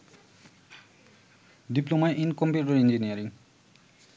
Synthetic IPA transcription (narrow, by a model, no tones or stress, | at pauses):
diplomajʔinkɔmpjuʈɔɹind͡ʑiniaɾiŋ